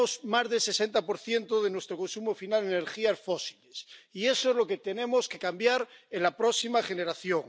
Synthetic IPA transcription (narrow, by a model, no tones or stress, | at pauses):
ozmazðelsesent̪apo̞ɾθje̞nt̪oðenwest̪ɾoko̞nsumofinaleneɾxiafosilesiesoezloket̪enẽ̞moske̞kambjaɾenlapɾoksimaχe̞ne̞ɾaθjoŋ